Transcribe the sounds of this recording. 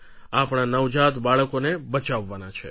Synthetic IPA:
apɳ̃anəʋd͡ʒat̪baɭəkonebət͡ʃaʋːanat͡ʃʰe

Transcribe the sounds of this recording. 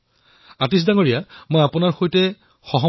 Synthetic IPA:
atis̬daŋoɹijamojapʊnaɹxojtɛ | xɔɦɔ

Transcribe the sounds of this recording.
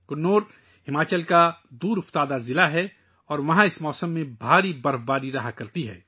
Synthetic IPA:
kʊnnːoːɾ | hɪmaːt͡ʃəlkad̪uːɾʊft̪aːd̪azɪlaɦɛ | ɔːɾʋɐɦãɪsmɔːsəmːẽbʱaːɾibɐɾfbaːɾiɾɐɦakɐɾt̪iɦɛ̰ː

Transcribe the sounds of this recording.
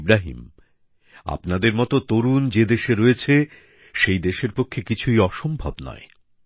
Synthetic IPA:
bɾaɦḭm | a̰pnad̪eɾmɔt̪ot̪oɾund͡ʑed̪eʃeɾoet͡ɕʰe | ʃejd̪eʃeɾpokʰːekit͡ɕʰuijɔʃombʱabnɔ̰e

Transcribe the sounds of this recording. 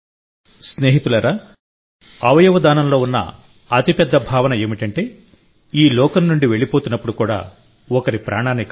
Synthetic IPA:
sne̞ːɦit̪ulɐɾaː | ɐʋɐjɐʋɐd̪aːnɐmlo̞ːunːɐ̰ | ɐt̪ipɛd̪ːɐbʱaːʋɐnɐe̞ːmiʈɐɳʈe̞ː | iːlɔːkɐnːuɳɖiʋe̞ɭipoːt̪unːɐpːuɽukuːɽa̰ː | ɔkɐɾipɾaːɳaːnːik

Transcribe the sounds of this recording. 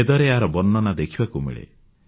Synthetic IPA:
ed̪ɔɾeaɾɔbɔnːɔnad̪ekʰibakumḛɭḛ

